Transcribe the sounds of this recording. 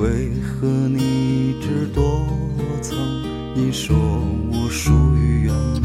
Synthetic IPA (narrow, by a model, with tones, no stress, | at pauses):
we˧˥ɪxɤ˧˥ni˧˩ʈ͡ʂɻ̩˧t̪wɔ˥ɤ˧˥t͡sʰa˧˥ŋ | i˧˩ʂɔ˨˧˩wɔ˧˩ʂu˥˩y˧ɥɛ˧˥n